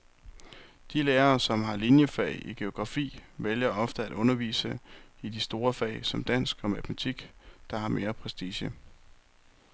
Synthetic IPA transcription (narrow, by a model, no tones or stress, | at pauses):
d̥ileːɐːsɒ̽mɦɑ̈linjəfɛ̰ɪʔiɡ̥e̝o̝ɡ̥ʁɑ̈fḭːʋeljɐʔɒ̽fd̥əæd̥ɔ̽nɐʋḭːsəid̥isd̥o̝ːɐfɛ̰ɪsɒ̽md̥æn̰sɡ̥ɒ̽mæt͡sʰmæt͡sʰiɡ̥d̥ɑ̈hɑ̈mʔe̝ːɐpʰʁɛsd̥iːɕə